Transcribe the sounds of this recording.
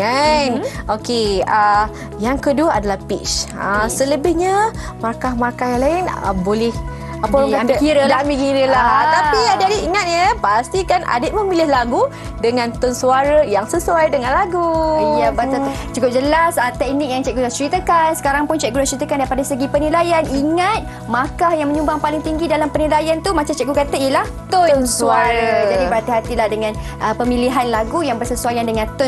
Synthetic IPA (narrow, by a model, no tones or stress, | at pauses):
anokea | jaŋkəduəadalahpit͡ʃasələbɪhɲamarkahmarkahjaŋlaɪnə̰bolɪh | apəŋkat̪əkiɾədamikiɾəlaɦat̪apiadadiiŋat̪̚ɲəpast̪ikanʔa̰dəʔ̚məmilɪhlaɡu | dəŋãnt̪ʊnsuaɾəjaŋsəsuajdəŋãnlaɡuabaa | t͡ʃukʊp̚d͡ʒəlasat̪ɛk̚nik̚jaŋt͡ʃɛʔ̚ɡudat͡ʃəɾit̪əkansə̥kaɾaŋpʊnt͡ʃɛʔ̚ɡudat͡ʃəɾit̪əkandaɾipadasəɡipənilajaniŋat̪̚ | makahjaŋmə̃ɲũmbaŋpalɪŋt̪iŋɡidalampənilajant̪umat͡ʃamt͡ʃɛʔ̚ɡukat̪aiəlah | t̪ʊnsuaɾad͡ʒadipəɾat̪iɦat̪ilahdəŋãnʔəpəmĩliɦanlaɡujaŋbərsəsuajandəŋãnt̪ʊ